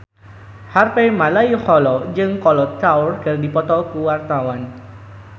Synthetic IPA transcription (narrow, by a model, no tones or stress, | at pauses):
harpɛjmalajihɔlɔd͡ʒɨŋkɔlɔt̪awrkɨrdipɔt̪ɔkuwart̪awan